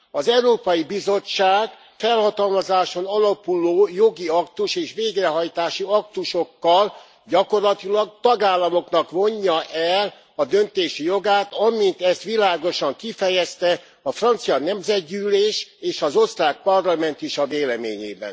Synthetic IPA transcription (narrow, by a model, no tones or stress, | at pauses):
ɒzɛuɾoːpɒjibizo̞t͡ʃːaːɡ | fɛlhɒt̪ɒlmɒzaːʃo̞nɒlɒpuloːjo̞ɡiɒkt̪uʃeːʃʋeːɡrɛɦɒjt̪aːʃiɒk̚t̪uʃo̞kːɒl | ɟɒko̞rlɒt̪ilɒɡ̚t̪ɒɡaːlːɒmo̞knɒkʋo̞ɲːɒʔɛl | ɒd̪ønt̪eːʃijo̞ɡaːt̪ɒmint̪ɛst̪ʋilaːɡo̞ʃɒŋkifɛjɛst̪ɛ | ɒfrɒnt̪sijɒnɛmzɛɟ̪ɟyːleːʃeːʃɒzo̞st̪raːk̚pɒrlɒmɛnt̪iʃɒveːlɛmḛːɲḛːbɛ̰n